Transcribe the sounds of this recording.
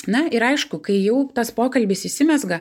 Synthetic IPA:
nɐɪɾɐɪʃkʊkɐɪjɛʊt̪ɐspoːkɐlʲbʲɪsɪʃʲsʲɪmʲɛzɡɐ

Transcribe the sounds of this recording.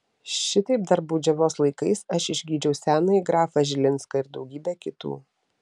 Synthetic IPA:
ʃʲɪt̪ɐɪp̚d̪ɐɾ̚buːd͡ʒʲɛʋoːslˠɐɪkɐɪsɐʃɪʒʲɡʲiːd͡ʒʲɛʊsʲæːnɐɪɡɾɑːfɑʒʲɪlʲɪnskɐɪɾd̪ɒʊɡʲiːbʲɛːkʲɪt̪ṵː

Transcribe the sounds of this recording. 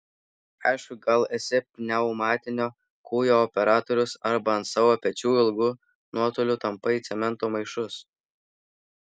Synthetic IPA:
ɐɪʃkʊɡɐlˠɛsʲɛp̚nʲɛʊmɑːt̪ʲɪnʲoː | kuːjoːɔpʲɛɾɑːt̪ɔɾʲʊsɐɾbɐɐnt̪sɑwɐpʲɛt͡ʃʲuːɪlˠɡʊ | nuɔt̪oːlʲʊt̪ɐmpɐit̪sʲɛmʲɛnt̪oːmɐɪʃʊs

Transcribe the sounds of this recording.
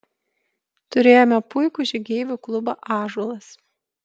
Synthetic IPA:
t̪ʊɾʲeːjomʲɛpʊɪkuʒʲɛɡʲeːʋʲuˑklˠʊbɐʔɑːʒuɔlˠɐs

